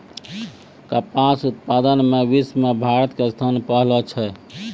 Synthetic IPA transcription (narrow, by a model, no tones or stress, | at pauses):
kəpasut̪̚pad̪ənmeʋismebʱaɾət̪kest̪ʰanpəɦlɔt͡ʃʰɛ